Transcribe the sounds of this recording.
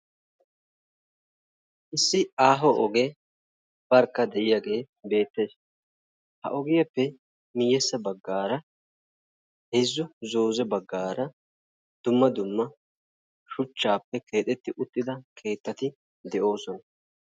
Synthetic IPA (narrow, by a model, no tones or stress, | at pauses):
ʔɪsːɪaːɦɔʔɔɡeː | b̥ɐɾkːɐd̪ɛʔɪjaɡe̞ː | be̞ːt̪ːe̞ːs | hɐ̰ʔɔɡɪjɐpːɛ | mɪjːɛsːɐbɐɡːaːɾɐ | hezːʊzo̞ːzɛbɐɡːaːɾɐ | d̪̥ʊmːɐd̪ʊmːɐ | ʃʊt͡ʃːaːpːɛkʰe̞ːt̪ʼɛt̪ːɪʔʊt̪ːɪd̪ɐkʰe̞ːt̪ːɐt̪ɪ | d̪ɛʔo̞ːsɔnɐ